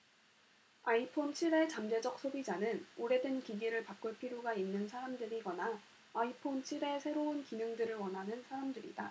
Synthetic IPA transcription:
aipʰont͡ɕʰiɾe̞t͡ɕamd͡ʑe̞d͡ʑʌk̚s͈ʰobid͡ʑanɯnoɾe̞dɯnkiɡiɾɯɭpak͈ɯɭpʰiɾjoɡainːɯnsʰaɾamdɯɾiɡʌnaː | ipʰont͡ɕʰiɾe̞sʰe̞ɾounkinɯŋdɯɾɯɭwʌnɦanɯnsʰaɾamdɯɾḭda

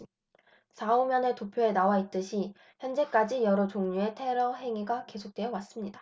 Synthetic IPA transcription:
sʰaumjʌnɯtopʰjoe̞nawait̚t͈ɯɕʰi | çjʌnd͡ʑe̞k͈ad͡ʑijʌɾot͡ɕoŋɲue̞tʰe̞ɾʌɦe̞ŋiɡake̞sʰok̚t͈we̞jʌwas͈ɯmɲida

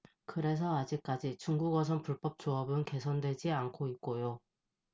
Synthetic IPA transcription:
kɯɾe̞s̬ʰʌad͡ʑik̚k͈ad͡ʑit͡ɕuŋɡuɡʌs̬ʰʌnpuɭp͈ʌp̚t͡ɕ͈oʌbɯnke̞sʰʌndwe̞d͡ʑiankʰoit̚k͈ojo

